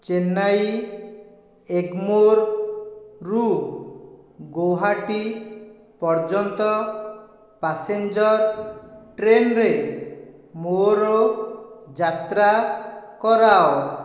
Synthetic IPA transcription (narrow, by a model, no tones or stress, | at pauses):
t͡ʃenaj | eɡmoɾ | ɾu | ɡoɦaʈi | pɔɾd͡ʒɔnt̪ɔ | pasend͡ʒɔɾʈɾenɾe | moɾɔ | d͡ʒat̪ɾakɔɾao